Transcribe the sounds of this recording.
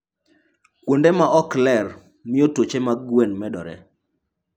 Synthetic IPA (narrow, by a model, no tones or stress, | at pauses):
kwondemaʔɔklɛr | mɪotot͡ʃemaɡwenmɛdɔ̰ɾɛ̰